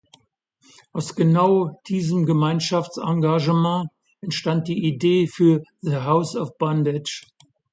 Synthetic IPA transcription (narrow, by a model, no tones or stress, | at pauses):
ʔaʊsɡ̥ənaʊd̥iːzəmɡəmaɪnʃaft͡sãŋɡaʒəmɑ̃ː | ʔɛntʃtant̚d̥iːʔideːfyːɐðəɦaʊsɔfb̥andɪt͡ʃ